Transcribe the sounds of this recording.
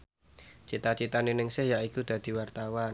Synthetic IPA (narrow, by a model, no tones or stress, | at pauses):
t͡ʃit̪at͡ʃit̪anenɪŋsɪhjaʔikud̪̥ä̤d̪̥i̤wart̪awan